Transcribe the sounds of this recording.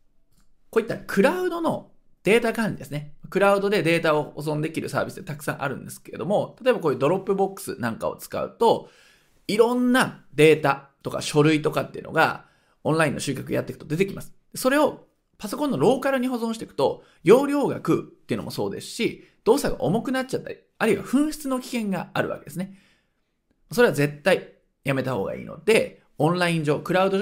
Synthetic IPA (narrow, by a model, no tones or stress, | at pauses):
ko̞ːit̪ːakʰɯ̟ɾaɯ̟d̪o̞no̞ | d̪̥e̞ːt̪akãɲɾʲid̪e̞sɨnemakɯ̟ɾaɯ̟d̪o̞d̪e̞d̪e̞ːt̪aohozõ̞nd̪e̞kʲiɾɯ̟sa̰ːbʲisɨ̥t̪et̪akɯ̥sã̰ɰ̃ʔaɾɯ̟̃nd̪e̞sɨ̥ke̞ɾe̞d̪omo̞t̪at̪o̞e̞bakoːjɯd̪o̞ɾo̞pːɯ̟bo̞kːɯ̥sɨ̰nãŋka̰o̞̰t͡sɨ̥ka̰ɯ̟̰t̪o̞ | iɾõ̞nːad̪e̞ːt̪at̪o̞ka̰ɕo̞ɾɯ̟it̪o̞kat̪ːeiɯ̟no̞̰ɡa̰ | õ̞nɾaĩnːo̞ɕɨ̟ːkʲakɯ̰ja̰t̪ːe̞kɯ̟̥t̪o̞d̪e̞t̪e̞kʲimʔasɨ̥d̪̥e̞so̞ɾe̞o̞ | paso̞kõnːo̞ɾo̞ːkaɾɯ̟ɲ̟iɦo̞zõɕit̪e̥kɯ̥t̪o̞ | jo̞ːɾʲo̞ːɡa̰kɯ̟t̪ːe̞iɯ̟nomo̞so̞̰ːd̪e̞sɨ̥ɕi | d̪̥o̞ːsaɡa̰ʔo̞mo̞kɯ̟nat͡ɕ̚t͡ɕːat̪ːaɾʲi | aɾɯiβa̰ɸɯ̟̃ɰ̃ɕi̥t͡sɨno̞kʲi̥kẽ̞ŋɡaaɾɯ̟βa̰ke̞d̪esɨne̞ | maso̞ɾe̞βaze̞t̪ːai | jame̞t̪aho̞ːɡa̰ḭːno̞̰d̪e̞ | õ̞nɾaĩɲ̟d͡ʑo̞ːkɯ̟ɾaɯ̟d̪o̞